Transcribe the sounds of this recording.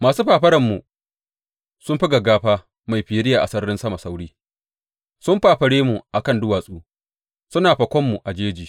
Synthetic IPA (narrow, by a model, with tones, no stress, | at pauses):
maː˨suː˦ɸaː˨ɸɐ˦ɾɐ˨mːu˨ | sʊ˦mɸi˦ɡɐ˨ɡaː˦ɸaː˦ | ma˨jɸiː˨˦ɾɪ˦jaː˨ʔa˨sɐ˦ɾɽɪ˦nsɐ˦ma˨sa˦wɽiː˦ | sʊ˦mɸaː˨ɸɐ˨ɽeː˦mu˨ʔa˨kɐ˦ndʊ˦waː˨sʼuː˦ | sʊ˦naː˨ɸɐ˨kʷɔ˦mːu˨ʔa˨d͡ʒeː˦d͡ʒiː˨